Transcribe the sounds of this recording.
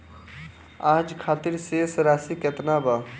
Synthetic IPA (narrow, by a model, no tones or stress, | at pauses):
aːd͡ʒkʰaːt̪iɾsesɾaːsiket̪naba